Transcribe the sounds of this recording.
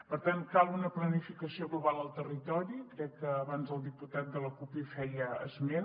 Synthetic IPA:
pəɾt̪ankalˠunəplənifikəsioɣluβalˠəlˠt̪ərit̪ɔɾikɾɛkːəːβanzəlˠd̪iput̪at̪̚d̪ələkupifɛjəə̰zme

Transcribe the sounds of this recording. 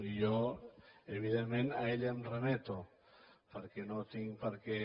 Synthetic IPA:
jo | eβiðemmenaeʎamremet̪o | peɾkenot̪iŋpaɾke

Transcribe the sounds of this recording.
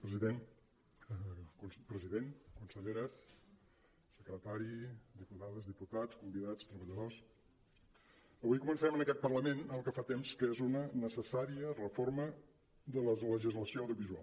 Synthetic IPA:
pɾəziðen | unpɾəziðeŋkunsəʎeɾəs | əkɾət̪aɾid̪iput̪aðəzdiput̪at͡skumbiðat͡st̪ɾəβəʎəðos | əβujkumənsəɾɛmənəkɛt̪̚pərləmenəlˠkəfat̪emskəezunənəsəsaɾiərəformə | ðələləʒizləsioəwðiuβizualˠ

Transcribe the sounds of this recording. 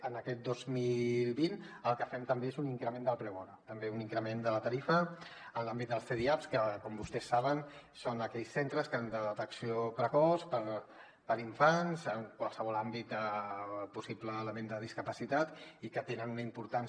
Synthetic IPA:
ənəkɛt̪̚d̪ozmilˠβinəlˠkəfɛmt̪əmbeezuniŋkɾəmẽnd̪əlˠpɾɛβɔɾət̪əmbeuniŋkɾəmend̪ələt̪əɾifəənlambit̪̚d̪əlˠsθeðiapskəkɔmbust̪ɛsːaβ̞ənsonəkɛʎsːent̪ɾəskəand̪əət̪əksiopɾəkɔspəɾ | pəɾiɱfanzəŋkwalˠsəβɔlambit̪̚d̪əpusipləːləmend̪əð̞iskəpəsit̪at̪ikət̪enənunəimpuɾt̪an

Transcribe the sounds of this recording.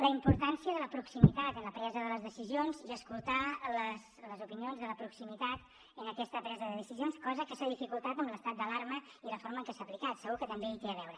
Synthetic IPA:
ləimpuɾt̪ansiəðələpɾuksimit̪at̪ənləpɾɛzəðələzðəsizionziəskulˠt̪aləsləzupinionzðələpɾuksimit̪at̪ | ənəkɛst̪əpɾɛzəðəðəsizionskɔzəkəsaðifikulˠt̪at̪əmləst̪at̪̚d̪əlaɾməiləfoɾməŋkɛsaəplikat̪səɣukət̪əmbeit̪eəβɛwɾə

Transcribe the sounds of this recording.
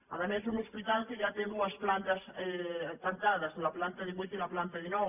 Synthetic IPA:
a̰ðemesunospit̪alkeʝat̪eðuɐsplant̪ɐsek̪aŋt̪aðɐzlaplant̪ɐðeβit̪elaplant̪ɐðino

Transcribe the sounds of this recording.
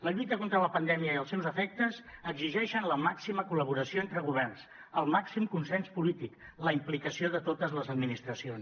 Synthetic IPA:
ləʎut̪əkont̪ɾələpənd̪ɛmiəiəlˠsɛwzəfɛk̚t̪əzəɡziʒɛʃənləmaksiməkuləβuɾəsioent̪ɾəɣuβɛrns | əlˠmaksimkunsɛnspulit̪ik | ləimplikəsioðət̪ot̪əzləzəd̪minist̪ɾəsions

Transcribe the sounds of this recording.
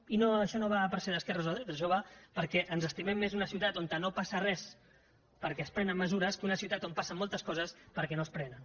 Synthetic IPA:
inoəʃɔnoβapəɾsɛðəskɛrəzoðɾd̪əʒoβapəɾkɛʔənzəst̪imɛmːezunəsiuwt̪at̪ont̪ənopasərɛs | pəɾkɛspɾɛnəmːəzuɾəskunəsiut̪at̪ompasəmolˠt̪əskɔzəspəɾkɛnoəspɾɛnən

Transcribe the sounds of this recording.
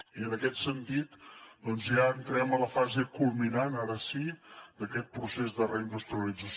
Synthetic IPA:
iənəkɛt̪sənt̪it̪d̪ɔnzjaənt̪ɾɛmələfazekulˠminanaɾəsid̪əkɛt̪̚pɾusezd̪ərəind̪ust̪ɾiəlid͡zəs

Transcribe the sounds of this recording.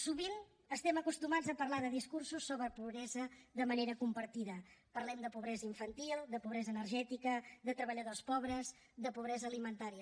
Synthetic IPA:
suβin | əst̪ɛməkust̪umad͡zzəpərlaðəðiskursusːoβɾəpuβɾɛzəðəməneɾəkumpəɾt̪iðəpərlɛmd̪əpuβɾɛzəiɱfənt̪ilˠd̪əpuβɾɛzənərʒɛt̪ikəðət̪ɾəβəʎəðospɔβɾəz | d̪əpuβɾɛzəːlimənt̪aɾiə

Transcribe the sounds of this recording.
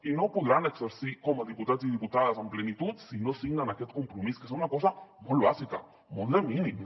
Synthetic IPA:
inopoðɾanekseɾsikomoðiput̪as̬iðiput̪aðasomplenit̪ut̪sinosiɣnanaket̪kompɾomiskesounakos̬amolβasika̰ | mold̪emĩnĩm

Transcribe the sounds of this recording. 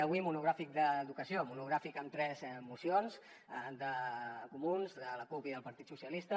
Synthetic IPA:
əβwimunuɣɾafik̚d̪əːðukəsiomunuɣɾafikəmt̪ɾɛzmusionz | d̪əkumunzd̪ələkupiðəlˠpəɾt̪it̪susiəlist̪ə

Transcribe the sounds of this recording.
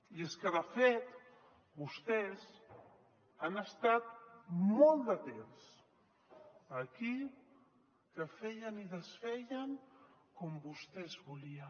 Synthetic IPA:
ieskəðəfet̪ | bust̪ɛs | anəst̪at̪̚mɔlˠd̪ət̪ens | əki | kəfɛjəniðəsfɛʎəŋkɔmbust̪ɛzβuliə

